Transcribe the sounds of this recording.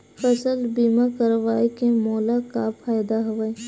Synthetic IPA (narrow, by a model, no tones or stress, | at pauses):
fəsəlbiːmakəɾʋaːekemɔːlakapʰaːjd̪aɦʊʋaːe